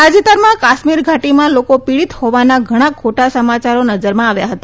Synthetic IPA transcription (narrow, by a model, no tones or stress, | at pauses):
ad͡ʒit̪əɾmãkaʃmiɾɡʱaʈimãlokopiɭit̪hoʋanaɡʱəɽ̃ãkʰoʈasəmat͡ʃaɾonəd͡ʒəɾmãaʋjaɦət̪a